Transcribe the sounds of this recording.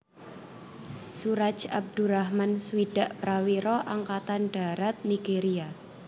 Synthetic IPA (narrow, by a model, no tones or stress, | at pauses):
suɾat͡ʃab̚d̪̥uɾahmansuwiɖ̥a̤ʔpɾawiɾɔʔaŋkat̪anɖ̥a̤ɾat̪̚niɡ̥eɾia